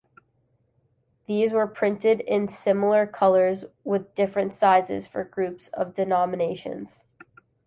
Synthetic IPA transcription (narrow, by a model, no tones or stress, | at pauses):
ðizwə˞pʰɹ̥ɪ̃ntɪɾɪ̃nsɪ̃ml̩ˠə˞kʰʌlˠə˞zwɪðdɪfɹɨ̃ntsaɪzɪ̰z̥fə̰˞ɡɹʉpsʌ̰vdɨnɑmɨneɪʃɨ̰̃nz̥